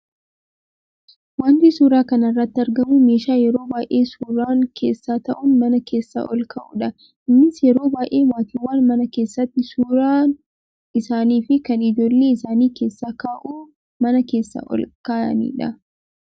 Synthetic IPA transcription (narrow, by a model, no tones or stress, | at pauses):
waːnt̪isuːɾaːkɐnɐrːɐt̪ːɪɐɾɡɐmume̞ːʃaːjɛɾo̞ːbaːjʔeːsuːɾaːŋkʰe̞̰ːsːaːt̪ɐʔʊnmɐnɐkʰe̞ːsːa̰ːʔɔlkɐʔṵᶑɐ | ʔɪmːɪsjɛɾo̞ːbaːjʔe̞ːmaːt̪iwːaːnmɐnɐke̞ːsːɐt̪ːɪsuːɾaːn | ɪsaːniːfɪkɐnɪd͡ʒo̞ːlːeːɪsaːniːke̞ːsːaːkaːʔuː | mɐnɐke̞ːsːa̰ːʔɔ̰lkaːɐ̰nḭːᶑɐ